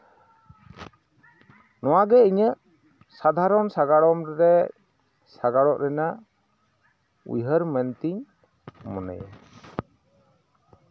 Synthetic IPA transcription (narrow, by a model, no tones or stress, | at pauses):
nɔwaɡɛiɲəʔ | sad̪ʱaɾɔnsaɡaɽɔmɾɛ | saɡaɽɔʔɾɛna | ṵjɦəɾmənt̪iɲ | mɔnɛ̰ja̰